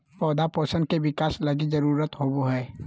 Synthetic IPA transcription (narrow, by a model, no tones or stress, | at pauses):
pɔːd̪apəːsə̃nd̪̚keʋɪkaːslɐɡizɐɾuːɾət̪ɦoːboɦɛː